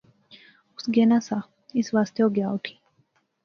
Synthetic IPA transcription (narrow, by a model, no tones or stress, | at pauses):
ʊsɡenasa | ɪsʋaːst̪ʰjoɡjaːuʈʰi̥